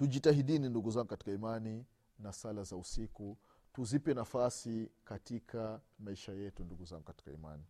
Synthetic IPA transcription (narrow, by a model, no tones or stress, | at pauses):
tuʄitaɦiɗininduɡuzaŋɡukati̥kaimani | nasalazausiku | tuzipɛnafasikatikʰamaiʃajɛtunduɡuzaŋɡukati̥ka̰ḭma̰ni